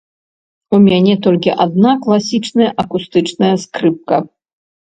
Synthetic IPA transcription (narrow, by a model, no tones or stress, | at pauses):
umʲanʲɛt̪ɔlʲkʲiʔad̪̚naklˠasʲit͡ʂnɐjɐʔɐkust̪ɨt͡ʂnɐjɐskɾɨp̚kɐ